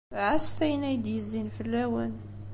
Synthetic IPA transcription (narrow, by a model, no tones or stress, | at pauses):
ʕast̪æjnæjd̪jəzinfəlːæwæn